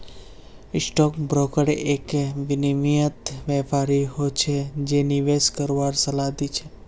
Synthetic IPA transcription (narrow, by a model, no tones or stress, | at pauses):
ɪsʈɔkbɾokəɽeekʋɪnimijət̪ʋɛpaɾiɦot͡ʃʰed͡ʒeniʋeskəɾʋaɾsəlad̪it͡ʃʰe